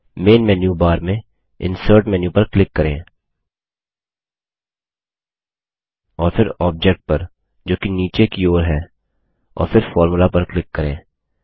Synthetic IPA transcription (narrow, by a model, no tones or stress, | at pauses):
meːnmɛːnjubaːɾmẽ | ɪ̰̃nsəːɾʈmɛːnjũpɐɾklɪkːɐɾḛ̃ː | ɔːɾfʰɪɾɔːb̚d͡ʒɛk̚ʈ̚pɐɾ | d͡ʒoːkiniːt͡ʃekioːɾɦɛː | ɔ̰ːɾfʰɪɾfɔːɾmʊlapɐɾklɪkːɐɾḛ̃ː